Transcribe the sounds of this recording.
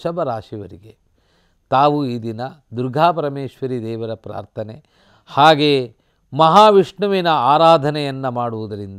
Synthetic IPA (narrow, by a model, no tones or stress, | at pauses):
ʃɐbʱɐɾaːʂiʋɐɾiɡe | t̪aːʋuiːd̪inɐd̪uɾɡʱaːpɐɾɐmeːʃʋɐɾid̪ɛːʋɐɾɐpɾa̰ːɾt̪ʰɐne | haːɡeː | mɐɦaːʋiʂɳɐʋinɐaːɾaːd̪ʱɐnɛjɐnːɐmaːɽuʋud̪ɐɾind̪